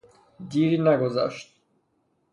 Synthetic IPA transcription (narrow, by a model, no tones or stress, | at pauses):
diɾinɛɡɔza̰ʃt̪